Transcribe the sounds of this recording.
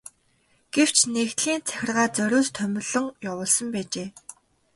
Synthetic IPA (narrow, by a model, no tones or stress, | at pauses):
ɡ̥ew̥t͡ɕʰnekt̪ɮiːnt͡sʰæ̥xʲɪ̆rʁaːt͡sœɾʲoːst̪ʰœmʲɪ̆ɮɞ̆ŋjawʊːɮsə̆mpæːt͡ɕeː